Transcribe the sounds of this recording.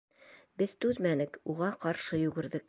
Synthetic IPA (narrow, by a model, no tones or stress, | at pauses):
bɘðt̪ʉðmænɘkuʁɑqɑɾʃɤjʉɡɘ̆ɾðɘk̚